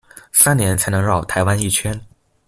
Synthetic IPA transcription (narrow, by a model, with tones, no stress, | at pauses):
sa˥nnjɛ˧˥nt͡sʰa˧˥ɪnɤ˧˥ŋɻɑ˥˩ʊt̪ʰa˧˥ɪwa˥ni˥˩t͡ɕʰɥɛ˥n